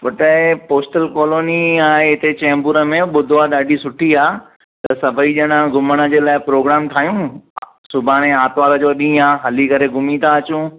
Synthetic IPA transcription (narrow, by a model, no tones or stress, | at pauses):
pɐʈəpoːsʈəlkɔːloːniãɦɪt̪et͡ɕɛ̃ːmbʊɾə̆mẽɓʊd̪ʱoaɗaːɖʱisʊʈʰiaː | t̪ɐsɐbʱəiʄɐɽ̃ãɡʱʊməɽ̃ə̆d͡ʑeːlaːɪpɾoːɡɾaːmt̪ʰaːjũ | sʊbʱaːɽ̃ẽaːt̪ʋaːləd͡ʑoːɗĩːaːɦɐlikɐɾeɡʱʊmit̪ʰaɐt͡ɕũ